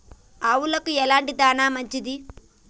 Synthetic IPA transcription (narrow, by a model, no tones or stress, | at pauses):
aːwulɐkuɛlaːɳʈid̪aːnaːmɐɲt͡ʃid̪i